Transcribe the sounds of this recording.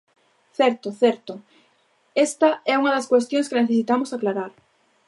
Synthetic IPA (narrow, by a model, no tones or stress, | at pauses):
θɛɾt̪ʊθɛɾt̪ʊ | ɛst̪ɐɛuŋɐðɐskwest̪jõŋskɪneθesit̪amʊsaklaɾaɾ